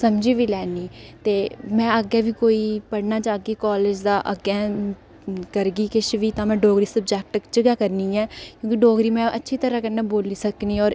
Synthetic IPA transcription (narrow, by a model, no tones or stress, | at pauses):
səmd͡ʒiːʋiːlɛːniːt̪eːmɛ̃ːəɡɛːʋiːkoːiːpəɽnaːd͡ʒãːəɡiːkɔːleːd͡ʒd̪aːʔə̰ɡɛː | kəɾɡiːkɪʃʋiːt̪ãːmɛ̃ːɖoːɡɾiːsəbd͡ʒɛːk̚ʈkt͡ʃəɡaːkəɾniːɛːkjõːkiɖoːɡɾiːmɛ̃ːʔətːʃʰiːt̪əɾãːkənːaːboːliːsəkniːɔːɾ